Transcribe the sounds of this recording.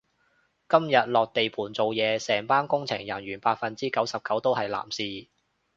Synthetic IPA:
kɐ˥mjɐ˨t̚lɔː˨k̚t̪e˨jpʰuː˨˩nt͡so˨wjɛː˨˧sɛː˨˩ŋpaː˥nkʊ˥ŋt͡sʰɪ˨˩ŋjɐ˨˩nɥyː˨˩npaː˧t̚fɐ˨nt͡siː˥kɐ˨˥wsɐ˨p̚kɐ˨˥wt̪o˥whɐ˨jla̰ː˨˩msiː˨˧

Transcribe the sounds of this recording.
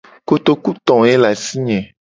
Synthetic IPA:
ko˦t̪o˦ku˦t̪ɔ̃˨e˦la˨si˦ɲɛ̃˨

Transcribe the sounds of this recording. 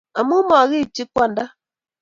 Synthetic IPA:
a˨mu˦mɔ˨a˨ɣi˦˨t͡ʃi˦kʷa˦n̩˦da˦

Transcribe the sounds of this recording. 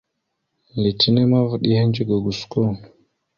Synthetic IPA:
li˨ti˦ne˦ma˦və˨ɗi˦he˦nd͡ʒi˦ɡo˨ɡu˨sko˦

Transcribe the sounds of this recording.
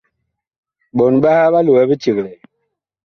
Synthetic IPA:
ɓɔ˨n˨ɓa˦ha˦ɓa˦lu˨wɛ˨˦bi˦t͡ʃi˨ɣlɛ˨

